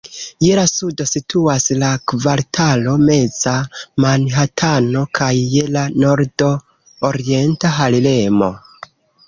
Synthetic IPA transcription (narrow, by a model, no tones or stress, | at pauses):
jelasudo̞sitʰuaslakvaɾtʰalo̞me̞z̥amanɦatʰano̞kʰajːe̞lano̞ɾdo̞ | oɾie̞ntaɦalile̞mo̞̰